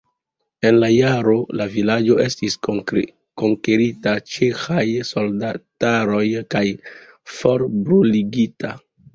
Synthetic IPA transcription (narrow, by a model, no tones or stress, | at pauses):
e̞nlajaɾo̞lavilad͡ʒo̞ʔe̞stis | ko̞ŋkeɾitat͡ʃe̞xajso̞ldataɾo̞jkaj | fo̞ɾbɾuliɡita